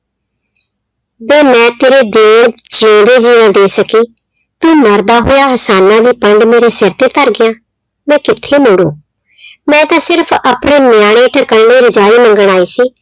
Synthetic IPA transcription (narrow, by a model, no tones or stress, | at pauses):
beːmɛ̃ːt̪eːɾeːd̪eːnd͡ʒĩːd̪eːd͡ʒiːʋãːd̪eːsəkiː | t̪ũːməɾd̪aːɦoːjaːɦəsaːnãːd̪iːpəɳɖmeːɾeːsɪɾt̪eːt̪əɾɡɪjãː | mɛ̃ːkɪt̪ʰːeːmoɽõ̰ː | mɛ̃ːt̪ãːsɪɾpʰəpɳeːnjaːɽ̃ẽːʈʰəkəɽneːɾɪd͡ʒaːiːmə̃ŋɡəɽ̃aːiːsiː